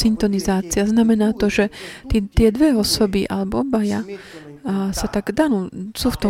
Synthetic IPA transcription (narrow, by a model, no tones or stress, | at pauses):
int̪ɔnizaːt͡siaznamɛnaːt̪ɔʒɛt̪it̪ɪɛd̪ʋɛɔsɔbiʔa̰lɛbɔɔbaja | sat̪aɡd̪anuːsuːft̪ɔ